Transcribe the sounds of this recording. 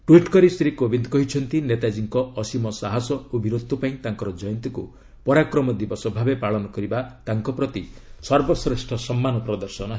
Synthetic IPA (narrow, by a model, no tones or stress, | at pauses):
ʈwiʈkɔɾist̪ɾikobind̪kɔɦit͡ʃʰɔnt̪inet̪ad͡ʒiŋkɔːsimɔsaɦasɔobiɾot̪ʰːupaĩt̪aŋkɔɾɔd͡ʒɔjɔnt̪iku | pɔɾakɾɔmɔd̪ibɔsɔbʱabepaɭɔnɔkɔɾibat̪aŋkɔpɾɔt̪isɔɾbɔsɾesʈʰɔsɔmːanɔpɾɔd̪ɔɾsɔnɔɦ